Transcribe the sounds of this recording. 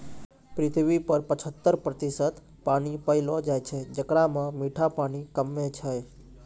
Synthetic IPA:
pɾɪt̪ʰʋipəɾpət͡ʃʰət̪ːəɾpɾət̪isət̪ | panipəilod͡ʒajt͡ʃʰed͡ʒəkɽamãmiʈʰapanikəmːet͡ʃʰaj

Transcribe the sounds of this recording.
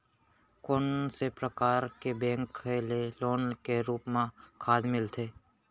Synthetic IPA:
konsepɾəkaːɾkebɛ̃ːŋkːeleloːnkeɾuːpmãkʰaːd̪mɪlt̪ʰeː

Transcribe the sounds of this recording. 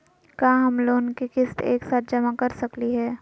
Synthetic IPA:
kaːɦɐmloːnkikɪst̪ḛːksaːt̪̚ʰd͡ʒɐmakɐɾsɐkliɦɛː

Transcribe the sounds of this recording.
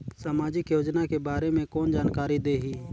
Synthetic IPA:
saːmaːd͡ʒɪkjoːd͡ʒnakebaːɾemẽkɔːnd͡ʒaːnkaːɾid̪eːɦiː

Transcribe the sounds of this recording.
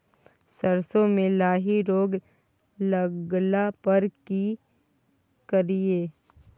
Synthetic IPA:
sɐɾsõmẽlaːɦiɾoːɡ | ləɡlapəɾki | kəɾieː

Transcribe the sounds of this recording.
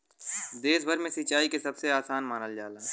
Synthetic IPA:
d̪eːsbʱəɾmẽsit͡ʃaːikesɐbseaːsaːnmaːnəld͡ʒaːlə̃

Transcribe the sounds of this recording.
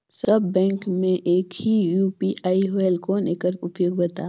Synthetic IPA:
sɐbːɛ̃ːŋkmẽʔeːkhijuːpiʔaːioɛlkoneːkəɾʊpjoːɡbɐt̪aː

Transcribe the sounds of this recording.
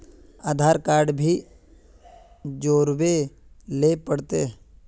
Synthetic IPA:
aːd̪ʱaːɾkaːɾɖbʱi | d͡ʒoːɾwelepəɽt̪e

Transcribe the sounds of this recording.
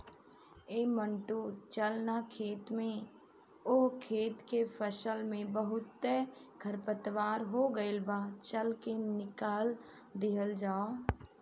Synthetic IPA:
eːmə̃ɳʈut͡ʃəlnakʰeːt̪mẽ | okʰeːt̪kepʰəʃəlmẽbəɦʊt̪ːeɡʱəɾpət̪ʋaːɾɦoɡəɪlbaːt͡ʃəlkenɪkaːl | d̪ɪɦəld͡ʒaːo

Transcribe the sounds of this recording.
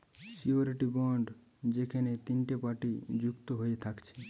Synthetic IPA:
sioɾiʈibɔɳɖ | d͡ʒekʰenet̪inʈepaʈid͡ʒukt̪oɦoet̪ʰakt͡ɕʰe̥

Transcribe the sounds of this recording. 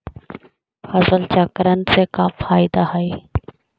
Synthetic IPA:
fəzəlt͡ʃakəɾənɪ̆seːkaːfaːɪd̪aːɦaeː

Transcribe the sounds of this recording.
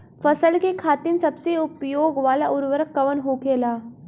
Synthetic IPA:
fəsəlkekʰaːt̪iːnsɐbseʊpjoːɡʋaːlaʔuɾʋəɾəkːəʋənɦokelaː

